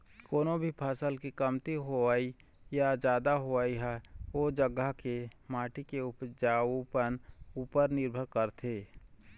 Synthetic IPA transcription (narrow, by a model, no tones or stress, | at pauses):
koːnobʱipʰaːsəlkikəmt̪iɦoaːi | jad͡ʒjaːd̪aɦoaːiɦɛod͡ʒəɡakemaːʈikeʊpd͡ʒaːupənuːpəɾnɪɾbʱəɾkəɾt̪ʰeː